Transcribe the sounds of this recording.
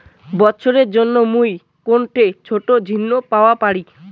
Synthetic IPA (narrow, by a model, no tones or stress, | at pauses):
bɔtːɕʰoɾeɾd͡ʑonːomuj | konʈet͡ɕʰoʈod͡ʑʱinːopaoapaɽi